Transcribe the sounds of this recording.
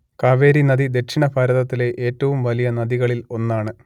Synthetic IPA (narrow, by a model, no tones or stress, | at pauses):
kaːʋe̞ːɾinɐðid̪e̞kʂiɳɐpʰɐɾɐðɐt̪ːile̞ʔeːtːɐʋumʋɐlijɐnɐðiɣɐɭilo̞nːaːɳɨ